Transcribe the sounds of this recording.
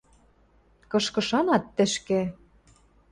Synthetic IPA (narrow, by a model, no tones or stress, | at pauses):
kɤ̆ʃkɤ̆ʃɑnɑt̪ːɘ̆ʃkĕ